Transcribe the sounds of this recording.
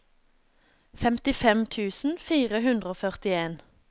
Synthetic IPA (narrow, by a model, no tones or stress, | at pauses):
fɛmt̪ɪfɛmt̪ʰʉːsn̩fiːʁəɦʉnd̪ʁəoːfœʁt̪ɪeːn